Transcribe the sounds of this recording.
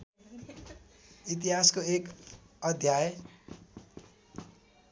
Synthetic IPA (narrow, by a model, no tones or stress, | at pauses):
it̪̬iɦaskoekʌd̪ʱjaj